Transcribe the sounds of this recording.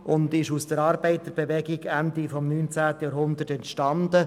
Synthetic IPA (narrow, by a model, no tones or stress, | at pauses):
ʊndɪʃusd̥əɾɑːɾbɛɪt̪əɾb̥evɛɡɪɡændifɔmnyːnt͡sæːtəjaːɾɦʊnd̪ətɛntʃtɑndə